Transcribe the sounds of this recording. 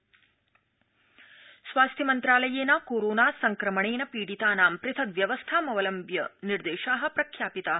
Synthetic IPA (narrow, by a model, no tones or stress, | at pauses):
sʋaːst̪ʰjɐmɐnt̪ɾaːlɐjeːnɐkoːɾoːnaːsɐŋkɾɐmɐɳeːnɐpiːɽit̪aːnaːmpɾɪt̪ʰɐkʋjɐʋɐst̪ʰaːmɐʋɐlɐmbjɐniɾd̪eːʃaːɦɐ̆pɾɐkʰjaːpit̪aː